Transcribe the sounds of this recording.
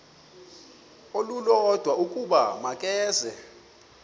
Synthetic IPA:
olulɔd̥ʱwaʔukʼuɓamakʼɛːzɛ

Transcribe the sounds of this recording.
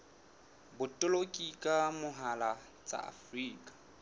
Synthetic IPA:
bʊtʼʊlokʼikʼamʊɦala | t͡sʼa̰a̰friːkʼḁ

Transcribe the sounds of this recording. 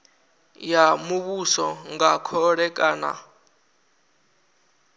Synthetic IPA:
jamuβusɔŋɡakʰɔɺɛkʼaːna̰

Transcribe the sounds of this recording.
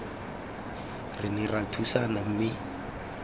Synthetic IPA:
riniratʰusanam̩mi

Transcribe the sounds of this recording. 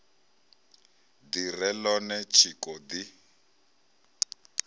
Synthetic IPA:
dirɛlɔnɛt͡ʃʰikɔdi

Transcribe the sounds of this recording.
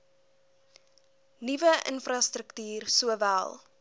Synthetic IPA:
nivəʔə̰nfrɐstɾəktyːrsuəvæ̰lˠ

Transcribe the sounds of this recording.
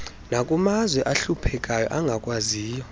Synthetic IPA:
nakʼumazwɛʔaɬupʰɛkʼajɔ̰ʔaŋɡʱakʼwaziːjɔ

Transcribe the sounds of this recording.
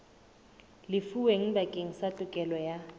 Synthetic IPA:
lɪfuweŋ̩bakʼeŋ̩satʼʊkʼɛlɔja

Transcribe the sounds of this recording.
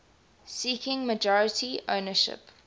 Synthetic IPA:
siːˑkʰɪ̃ŋməd͡ʒɔɹətʰio̰ʊnəʃɪ̰p

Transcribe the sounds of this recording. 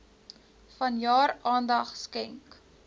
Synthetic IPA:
fɐnjɑːɾɑːndɐχskɛŋk

